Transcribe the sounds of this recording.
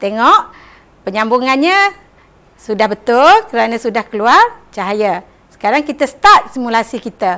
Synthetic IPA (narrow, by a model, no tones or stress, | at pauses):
t̪eŋɔʔ | pəɲambuŋanɲa | sudahbət̪ʊlkəɾanãsudahkəluart͡ʃaɦaja | sə̥kaɾaŋkit̪əsə̥t̪at̪̚simulasikit̪ə